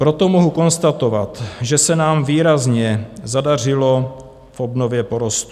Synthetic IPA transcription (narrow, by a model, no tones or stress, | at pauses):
pɾo̞t̪o̞moɦuko̞nst̪at̪o̞vat̪ʒɛsɛnaːmviːɾazɲɛzadar̝ɪlo̞ | fʔo̞bno̞vjɛpo̞ɾo̞st̪u̥